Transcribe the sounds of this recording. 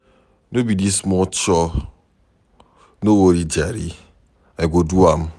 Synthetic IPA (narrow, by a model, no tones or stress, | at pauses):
nobidismɔt͡ʃɔ | nowoɾid͡ʒaɾḭ | eɡoduam̩